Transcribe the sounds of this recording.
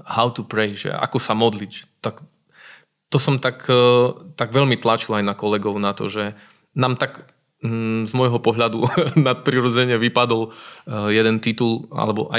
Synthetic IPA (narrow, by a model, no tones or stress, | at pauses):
haʊt̪upɾɛɪʒɛ̰a̰kɔsamɔd̪lict̪ak | t̪ɔsɔmt̪akt̪aɡʋɛʎmit̪lat͡ʃilajnakɔlɛɡɔʊnat̪ɔ̰ʒɛ | naːmt̪aɡ | zmɔjɦɔpɔɦʎad̪unat̪̚pɾiɾɔd͡zɛɲɪɛʋipad̪ɔljɛd̪ɛnt̪it̪ula̰lɛbɔ̰ʔa̰